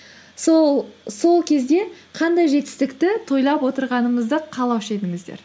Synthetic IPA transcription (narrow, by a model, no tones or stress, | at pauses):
so̞lˠkʲʰe̞zd̪e̞qʰɑnd̪ɑjʒe̞t̪ɪ̥st̪ɪkt̪ɪt̪ʰo̞jlˠɑpwo̞t̪əɾʁɑnəməzd̪əqʰɑlˠɑwʃejd̪ɪŋɪzd̪ḛɾ